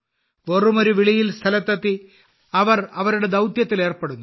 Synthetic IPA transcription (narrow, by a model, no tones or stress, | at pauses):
orumo̞ɾuʋiɭijilst̪ʰɐlɐt̪ːɐt̪ːi | ɐʋɐrɐʋɐɾuɽe̞d̪ɐwt̪jɐt̪ːile̞ːrpeɽunːu